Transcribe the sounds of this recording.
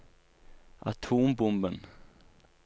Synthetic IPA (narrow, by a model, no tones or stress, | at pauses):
ʔa̰t̪ʰuːmbʊmbən